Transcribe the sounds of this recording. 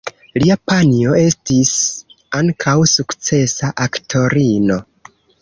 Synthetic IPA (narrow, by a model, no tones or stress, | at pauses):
liapanio̞e̞stis | aŋkʰawsukt͡se̞saʔaktʰo̞ɾino̞